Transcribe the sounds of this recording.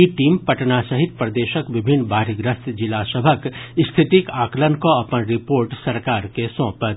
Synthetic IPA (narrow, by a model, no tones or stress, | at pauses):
iʈiːmpɐʈnasɐɦɪt̪̚pɾɐd̪eːʃəkʋɪbʱɪnːbaːɾiɡɾəst̪d͡ʒɪlasəbʱəkst̪ʰɪt̪ikaːklənkoɐpənɾɪpoːɾʈsɐɾkaːɾkesõːpət̪